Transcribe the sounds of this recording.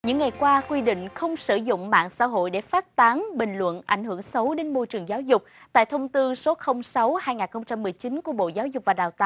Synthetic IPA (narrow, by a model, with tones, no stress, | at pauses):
ɲɨ̰˧˥ŋːa˨˩jkwaː˧kwi˧ɗḭ̈˧˨ŋ̟xə˧wŋ͡msɨ˧˩zʊ̰˧˨ŋ͡mma̰ː˧˨nsa̰ː˧˥ɦo̰˧˨jɗe˧˩faː˦˥t̚t̪aː˨˦nɓï˨˩ŋ̟lwə̰˧˨nʔa˧˩jŋ̟hɨ˧˩əŋsə˨˦wɗe˨˦nmo˧jt͡ɕɨ˨˩əŋzaː˨˦wzʊ˨˩k͡p̚t̪a̰ː˧˨jt̪ʰə˧wŋ͡mt̪ɨ˧so˨˦xə˧wŋ͡msa˨˦whaː˧jŋaː˨˩nxə˧wŋ͡mt͡ɕa˧mːɨ˨˩əjt͡ɕi˨˦nku˧˩əɓo̰˧˨zaː˨˦wzʊ˨˩k͡p̚vaː˨˩ɗaː˨˩wt̪a̰ː˧˨